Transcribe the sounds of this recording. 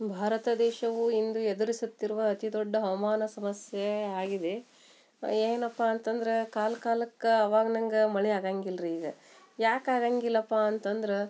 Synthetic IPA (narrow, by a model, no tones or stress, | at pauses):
bʱaːɾɐt̪ɐd̪ɛːʃɐʋuind̪ued̪ɐɾisut̪ːiɾuʋɐːt̪id̪oɖːɐɦɐʋɐmaːnɐsɐmɐsjeaːɡid̪e̞ | eːnɐpːaɐnt̪ɐnd̪ɐɾekaːlɐkaːlɐkːɐɐʋaːɡɐnɐŋɡɐmɐɭiaːɡaːŋɡilɾeiːɡɐ | jaːkaːɡaːŋɡilːɐpːaɐnt̪ɐnd̪ɐɾe